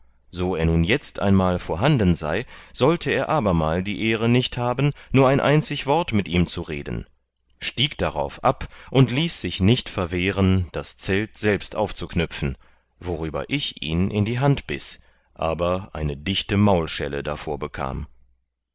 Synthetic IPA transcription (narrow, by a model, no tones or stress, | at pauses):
z̥oːeːɐnuːnjɛt͡stʔa̰ɪnmaːlfoːɐɦandn̩za̰ɪz̥ɔltʰəeːɐʔaːbɐmaːldiːʔeːʁənɪçthaːbn̩nuːɐaɪnʔaɪnt͡sɪçv̥ɔɐtmɪtʔiːmt͡suʁeːdn̩ | ʃtiːkd̥aʁa̰ʊfʔapʔʊntliːsz̥ɪçnɪçtfɛɐveːʁənd̥ast͡sɛltz̥ɛlpstʔaʊft͡suknʏpp͡fn̩ | voʁyːbɐ̰ʔɪçʔḭːnʔɪndiːɦantb̥ɪ̰s | ʔaːbɐʔa̰ɪnədɪçtəmaʊlʃɛ̰lə̰da̰foːɐbəkʰa̰ːm